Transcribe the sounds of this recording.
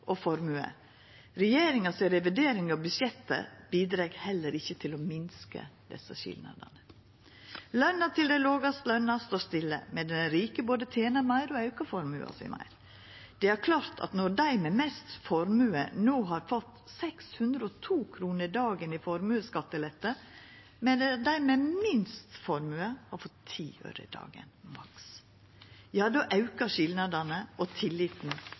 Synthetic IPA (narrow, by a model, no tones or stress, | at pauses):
ʔɔfɔɾmʉːə̰ | ɾɛjeːɾɪŋɑsɛɾɛʋɪd̪eːɾɪŋəɔbʉʃjɛt̪ːə̰b̥iːd̪ɾɛɡhɛlːəɾɪçːət̪ʰɪlomɪnskə̰d̪̥ɛ̰sːəɕɪ̰lnɑ̰d̪ə̰nə | lœnːɑt̪ʰɪld̪æɪloːɡɑst̪lœnɑst̪oːst̪ɪlːə̰mɛd̪ɛnɾiːkəboːd̪ət̪ʰeːnɑɾmæɪɾɔɑʉkɑfɔɾmʉ̰ːɑ̰sɪ̰mʔæ̰ɪɾ | d̪̥ɛæɾkʰlɑːɾt̪ʰɑ̰t̪nɔɾd̪æɪmɛmɛst̪fɔɾmʉːənoːɦɑɾfɔt̪ːsɛkshʉnd̪ɾəɔt̪ʰuːkʰɾuːnəɾd̪ɑːɡənɪfɔɾmʉːəskɑt̪ːəlɛt̪ːə | mɛd̪d̪æɪmɛmɪnst̪fɔɾmʉːəhɑɾfɔt̪ʰːḭːø̰ːɾə̰d̪ɑ̰ːɡə̰nmɑks | jɑːd̪oːʔɑʉkəʃɪlnɑd̪ɑnəɔt̪ʰɪlːiːt̪n̩